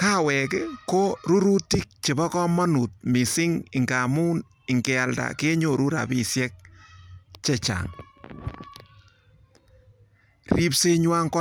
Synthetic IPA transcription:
ka˦wɛ˨kɪko˦ɾu˦ɾu˦ti˦k̚t͡ʃɪ˨bɔ˦kɔ˦mɔ˦nu˨t̚mi˨sɪ˦ŋɪ˨ŋɡa˨mu˦n | ɪ˨ŋɡe˨a˨lda̰˨ke˦ɲo˨ɾu˦ɾa̰˨pi˨sjɛ˦k̚ | t͡ʃɛ˦t͡ʃa̰˨ŋ | ri˦pse˦ɲwa˦ŋkɔ˦

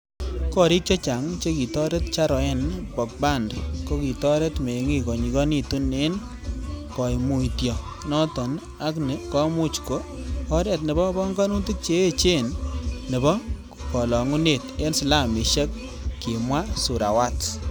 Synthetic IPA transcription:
kɔ˦ɾi˦k̚t͡ʃɔ˦t͡ʃa˨ŋt͡ʃe˦ki˨tɔ˦ɾe˦t̚t͡ʃa˦ɾɔ˨ɛ˦nbɔ˨k̚ba˦˨ndko˦ki˨tɔ˦ɾe˦tme˨ŋi˦˨kɔ˨ɲi˨kɔ˦ni˦tu˦ne˦n | kɔ˨jmu˨tjɔ˨ | nɔ˦tɔ˨n | a˦knɪ˨kɔ˦mu˦t͡ʃko˦ | ɔ˦ɾɛ˨tnɪ˨bɔ˦bɔ˦ŋɡa˦nu˦ti˦t̚t͡ʃe˦e˦t͡ʃe˦˨nːɪ˨bɔ˦ | kɔ˨lɔ˨ŋu˦ne˦˨te˦nsɪ˨la˦˨mi˨ʃe˦k̚ | ki˨mwa˦su˨ɾa̰˨wa˦t

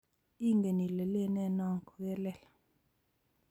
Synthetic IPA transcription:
i˦ŋɡe˨ni˨lɛ˨le˦nɛ˦˨na˦˨ŋkʰu˨ɣɛ˦lɛ˦˨la

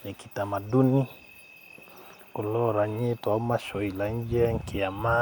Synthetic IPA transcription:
nɛkitama˨du˦ni | ɔ˨lɔɾa˨ɲi˦tɔ˨˦ma˦ʃɔ˨ila˨ɲ˦d͡ʒɛ˦ŋ̩˨kiama

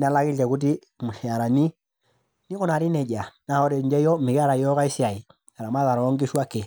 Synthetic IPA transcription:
na˦la˦ki˦ɛ˨ku˦t̬i˦ | mu˨ʃɛ˨a˨ɾa˨ni˦ | ni˦kɔ˦na˨ɾi˦nɛ˨d͡ʒa˨na˨hɔ˦ɾɛ˨ɲd͡ʒɛ˦jɔ˦mi˨ka˦ɾa˨jɔ˦ka˦i˦si˦a˨i˨ | a˨ɾa˨ma˦ða˨ɾɔ˨ɔ˦ŋɡi˦ʃu˦a˦kɛ˨

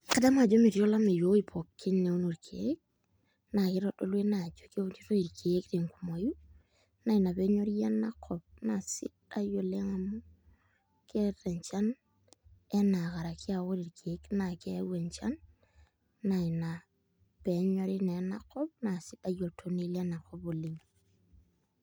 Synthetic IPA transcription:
ka˦da˦ma˨d͡ʒo˦mi˨ɾjo˦la˦mi˨jo˦i˨pʰo˨kʰːi˦nːe˨u˦nu˨ɾkʰee˦k̚ | na˨ki˦ɾɔ˦do˦lwe˦na˨d͡ʒo˦ke˦ti˦ɾo˦i˨ɾkʰi˨e˦kti˨ŋku˨mo˨ju˦ | na˨i˨na˨pe˦ɲo˦ɾja˦nːa˦kʰːɔ˨p̚na˨sḭ˦tajo˨le˦ŋa˨mu˦ | ke˦rɛ˨ɲt͡ʃa˦n | ɛ˦na˨ka˨ɾa˨ki˦a˨wo˦ɾi˨ɾkʰe˨˦kna˨ke˦wɛ˨ɲt͡ʃa˦nː | a˨i˨na˨ | pɛ˨˦ɲwa˦ɾi˦nɛ˨na̰˦kːɔ˦p̚na˨sɪ˦ta˨jo˨tʰo˦ne˦la˦na˨kːɔ˦bo˨li˦ŋ

